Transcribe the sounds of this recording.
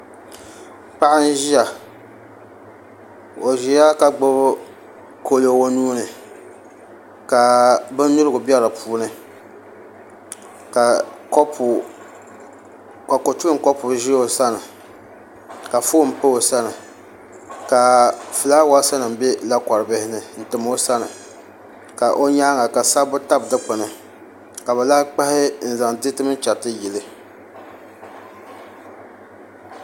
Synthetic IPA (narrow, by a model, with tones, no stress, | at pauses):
k͡pa˦ʔa˦n̩˦ʒi˦a˨ | o˨ʒi˨ja˦ka˨ɡ͡bo˦bʊ˦ | kʰo˦lo˨wo˦nuː˦nɨ˨ | ka˨bɨ˦n˦ni˦ɾɨ˦ɡʊ˨bi˦ɛ˦ɾa˨pʰuː˦nɨ˨˦ | ka˨˦p | ka˨ko˨tu˦kɔ˦pʊ˨ʒɪ˦o˨sa˦nɨ˨ | ka˨fo˦˨m̩˨pɨ˦o˨sa˦nɨ˨ | ka˨fɨ˨laː˦wa˦sa˦nɨ˨m̩˨bɛ˦la˦ka˨ɾɨ˨bɪ˦hɪ˦nɨ˦n̩˨tɨ˨mo˦sa˦nɨ˨ | ka˨ʔo˦ɲaː˦ŋa˨ka˨sa˦bʊ˦ta˦bdɨ˦k͡pɨ˨nɨ˨ | ka˨bɛ˨la˦k͡pa˦hɪ˦n̩˦˨za˨ŋdɪ˦tɨ˦mɨ˦t͡ʃa˨tɨ˦ji˨lɨ˦